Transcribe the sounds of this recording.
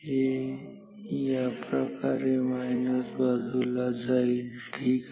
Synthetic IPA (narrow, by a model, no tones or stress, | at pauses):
e | japɾəkaɾemanusbad̪ʱulazaiʈʰiːk